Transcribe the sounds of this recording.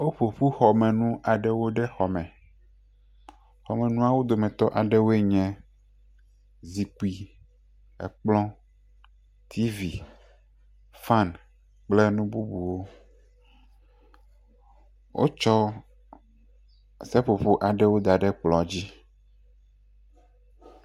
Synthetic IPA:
wo˦ɸo˨ɸu˦xɔ˨mɛ̃˨nũ˦ʔa˨ɖɛ˦wo˦ɖɛ˦xɔ˨mɛ̃˨ | xɔ˨mɛ̃˨nũ˦a˦wo˦d̪o˨mɛ̃˨t̪ɔ˦ʔa˨ɖɛ˦wo˦e˦ɲɛ̃˨ | zi˨ku˦i˦ | ɛ̰˨k͡plɔ̃˦ | t̪ʰi˦vi˨ | fa˦n | k͡plɛ˦nũ˦bu˦bu˨wo˦ | wʔo̰˦t͡ʃɔ˦ | sɛ˦ɸo˨ɸo˦ʔa˨ɖɛ˦wo˦d̪a˨ɖɛ˦k͡plɔ˨d͡ʑi˦

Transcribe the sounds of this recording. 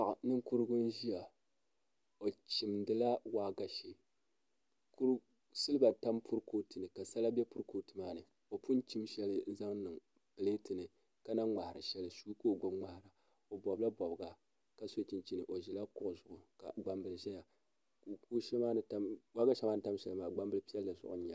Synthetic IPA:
a˨ʔa˨nɨ˦ŋku˦ɾɨ˦ɡʊ˦n˦ʒi˦ja˨ | o˨t͡ʃi˨mdɨ˦la˦waː˦ɡa˨ʃe˦ | ku˦ɾ | sɨ˦lɨ˦ba˨ta˦mpʰu˦ɾkoː˦tɨ˨nɨ˨ka˨sa˦la˦bɛ˦pu˦ɾkoː˦tɨ˨maː˦nɨ˨ | o˨pu˦n˦t͡ʃi˦mʃɛ˦lɨ˦za˦ŋnɨ˨ŋ | pɨ˨leː˦tɨ˨nɨ˨ | ka˦na˦ŋ͡ma˨hɪ˨ɾɨ˨ʃɛ˦lɨ˨su˦koː˦ɡʊ˦mŋ͡ma˨hɾa˨ | o˨bɔ˨bla˦bɔ˨bɨ˨ɡa˨ | ka˦so˦t͡ʃi˨nt͡ʃi˦nɨ˨ʔo˨ʒi˨la˦kʊ˦ʔʊ˨zʊ˨ʔʊ˨ka̰˨ɡ͡ba˨mbɨ˨lʒɛ˦ja˨ | ku˨ku˦ʃɛ˦maː˦nɨ˨ta˦mwaː˦ɡa˦ʃɛ˦maː˦nɨ˨˦ta˦mʃɛ˦lmaː˨ɡ͡ba˦mbɨ˦lɨ˦pi˦ɛ˦lːɨ˨zʊ̰˨ʔʊ̰˦ɲ˦a˨˦

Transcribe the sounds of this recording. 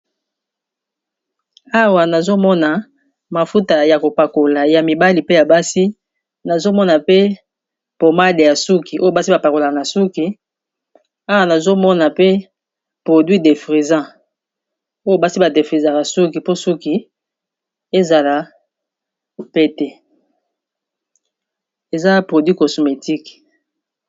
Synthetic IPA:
a˦wa˨na˨zo˦mɔ˦na˨ | ma˨fu˦ta˨ja˨ko˨pa˨ko˨la˨ja˨mi˨ba˦li˨pe˦ja˨ba˦si˦ | na˨zo˦mɔ˦na˨pe˦ | po˨ma˦de˨ja˨su˦ki˨ʔo˦jo˨ba˦si˦ba˨pa˨ko˨la˨kna˨su˦ki˨ | a˦wa˨na˨zo˦mɔ˦na˨pe˦ | pʁo˨dwɥi˦de˨fʁi˨zã˦ | o˦jo˨ba˦si˦ba˨de˨fʁi˨za˨ka˨su˦ki˨po˦su˦ki˨ | e˦za˨la˨ | pe˦tɛ˦ | e˨za˦pʁo˨dwi˦ko˨so˨me˨tʰi˦k

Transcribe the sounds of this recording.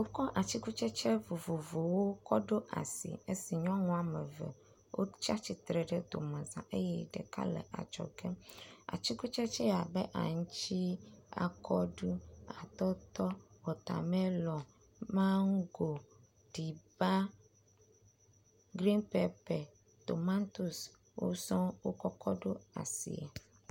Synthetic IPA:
wo˦kɔ˦ʔa˨t͡ʃi˦ku˦t͡ʃɛ˦t͡ʃɛ˦vo˨vo˨vo˨wo˦kɔ˦ɖo˦ʔa̰˨sḭ˨e˦si˨ɲɔ̃˦ŋɔ̃˨a˨mɛ˨vɛ̰˨ | wʔo̰˦t͡ʃa˦t͡ɕi˦t̪ɾɛ˨ɖɛ˦d̪o̰˨mã˨zã̰˨ʔe˦jɛ˦ɖɛ̰˨ka̰˦lɛ̰˨ʔa̰˨t͡ʃɔ̰˨ɡɛ˦a̰˨t͡ʃi˦ku˦t͡ʃɛ˦t͡ʃɛ˦a˨bɛ˦ʔa̰˨ŋũ˦t͡ɕi˦a̰˨kʰɔ˦ɖu˦a˨t̪ɔ˦t̪ɔ˦wɔ˨t̪a̰˨mɛ̃˦lɔ̃˨ | mã˦ŋ˦ɡo˨ | ɖ̥i˨ba˦ | ɡɾi˦npɛ˦pɛ˨ | t̪o˨mã˦nt̪u˨s | wʔo̰˦sɔ̃˦wo˦kɔ˦kɔ˦ɖo˦a̰˨sḭ˨a˨

